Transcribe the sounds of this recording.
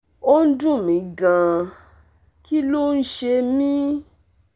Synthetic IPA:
o˦n̩˦dũ˦˨mĩ˨˦ɡã˨ | ki˦lo˦˨n̩˦ʃe˧mĩ˦

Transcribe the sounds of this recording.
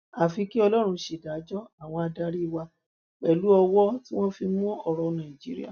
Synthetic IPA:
a˨fi˧ki˦ɔ˧lɔ˦ɾ̃ũ˧ʃe˨da˨˦d͡ʒɔ˦a˦˨w̃ɔ̃˧a˧da˧ɾi˦˧wa˧ | k͡pɛ˨lu˨˦ɔ˧wɔ˦ti˦w̃ɔ̃˦fi˧mũ˦ɔ˨ɾɔ˧nã˨ĩ˨d͡ʒi˦ɾḭ˦a̰˨

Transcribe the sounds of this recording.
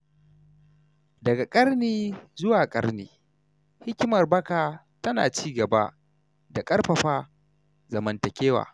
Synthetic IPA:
dɐ˨ɡa˨kʼɐ˦rniː˦zʊ˦waː˨kʼɐ˦rniː˦ | hɪ˦kʲɪ˦mɐ˨rbɐ˦ka˨ | tɐ˦na̰ː˨t͡ʃiː˦ɡɐ˨ba̰˦ | da˨kʼɐ˦rɸɐ˨ɸaː˦ | zɐ˨mɐ˨ntɐ˨kʲeː˦wa̰ː˨

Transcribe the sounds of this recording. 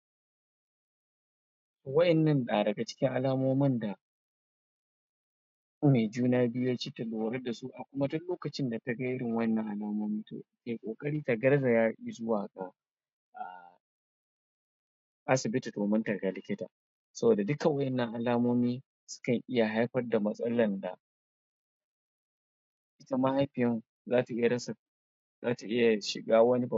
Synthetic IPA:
wɐ˦ʔɛ˨nːɐ˦nɗa˨dɐ˨ɡa˨t͡ʃɪ̥˦kʲɪ˦ŋʔa˨laː˦moː˦mɐ˦nda˨ | me˨d͡ʒuː˦naː˦bɪ˦jo˦t͡ʃiː˦tɐ˨lo˨ɐ˨ɾɐ˦da˨su˦ʔa˨kʷʊ˦ma˦dʊ˦nloː˦kɐ˨t͡ʃɪ˦nda˨tɐ˦ɡa˦ʔɪ˦ɽɪ˨ŋwɐ˦ɛ˦nːɐ˦˨ŋʔa˨laː˦moː˦miː˦to̰ː˨ke˨kʷʼoː˨kʼɐ˦ɽiː˦ta˨ɡɐ˦ɾza˨jaː˦ʔi˦zʊ˦waː˨ɡa˨ | ʔa˨ | ʔa˦sɪ˨bɪ˦ti˨toː˨mɐ˦ntɐ˨rɡa˦lɪ˦kʲɪ˦ta̰ː˨ | sɐ˦boː˨da˨dʊ˦ka˨wɐ˦ʔɛ˨nːɐ˦ŋʔa˨laː˦moː˦miː˦ | sʊ̥˦kɐ˨ŋʔɪ˦ja˨ɦa˦jɸɐ˦rda˨mɐ˦sʼɐ˦lɐ˨nda̰˨ | ʔɪ˦ta˦ma˦ha˦jɸɪ˨jɛ˦ŋ | zaː˦ta˨ʔɪ˦ja˨ɽɐ˦sa˨ | zaː˦ta˨ʔɪ˦ja˨ʃɪ̰˨ɡaː˦wɐ˦ni˦ba˨

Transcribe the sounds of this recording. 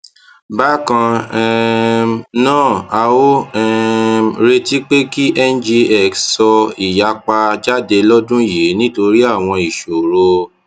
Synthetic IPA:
ba˦kã˧ɛ˧ | nãː˦˨a˧wo˦ɛ˧ɾe˧ti˦k͡pe˦ki˦ʔɛ˦nd͡ʒi˧ɛ˦˨kssɔ˧i˨ja˧k͡pa˧d͡ʒa˦˨de˧lɔ˦dũ˦˨je˨˦nĩ˦to˧ɾi˦a˦˨w̃ɔ̃˧i˨ʃo˨ɾo˧

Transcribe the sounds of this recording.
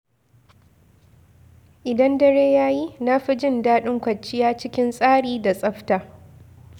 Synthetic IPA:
ʔɪ˨dɐ˦ndɐ˦ɽeː˦jaː˦ji˦na˦ɸi˦d͡ʒɪ˦ndaː˦ɗɪ˦ŋkʷɐ˨t͡ʃːɪ˦jaː˦t͡ʃɪ˦kʲɪ˦nsʼaː˦ɽiː˨da˨sʼɐ˦ɸtaː˨

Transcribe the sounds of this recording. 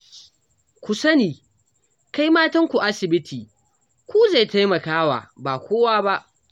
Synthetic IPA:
kʷu˨sɐ˦niː˨ | ka˦jmaː˦tɐ˦ŋkʷu˨ʔa˦sɪ˨bɪ˦tʰiː˨ | kʷu˦za˦˨jta˦jmɐ˨kaː˦wa̰ː˨baː˨kʷoː˦waː˦ba˦ʔ

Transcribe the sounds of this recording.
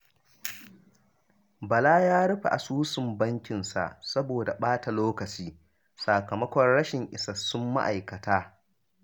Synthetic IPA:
bɐ˨laː˦jaː˦ɽɐ˦ɸa˨ʔa˨suː˦sɪ˨mbɐ˦ŋkʲɪ˨nsa̰˨ʔsɐ˦boː˨da˨ɓaː˦ta˨loː˦kɐ˨t͡ʃiː˦ | saː˨kɐ˨mɐ˦kʷɔ˨rɽɐ˦ʃɪ˨ŋʔɪ˨sɐ˨sʊ˦mːa̰˦ʔa˨jkɐ˨taː˦

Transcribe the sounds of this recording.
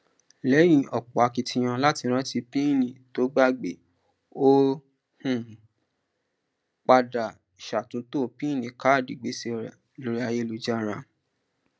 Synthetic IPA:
lɛ˨˦j̃ĩ˧˨ʔɔ˨k͡pɔ˨a˨˧ki˧tĩ˧j̃ã˧la˦ti˧ɾ̃ã˦ti˧pĩ˦˨nĩ˨to˨˦ɡ͡ba˦ɡ͡be˨ | o˦ | hũ˦˨ | k͡pa˧da˨ | ʃa˨tũ˨˦to˦˨pĩ˦˨nĩ˨˦ka˦˨di˨ɡ͡be˨˦se˧˨ | lo˨˧ɾi˦a˧je˧lo˨d͡ʒa˦˨ɾã˧

